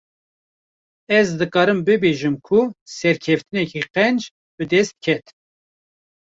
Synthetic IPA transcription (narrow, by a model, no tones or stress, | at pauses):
ɛzd̪ɨkɑːɾɨmbɨbeːʒɨmkʰʊsɛɾkʰɛft̪ɨnɛkiqɛnd͡ʒ | bɨd̪ɛst̪̚kʰɛt̪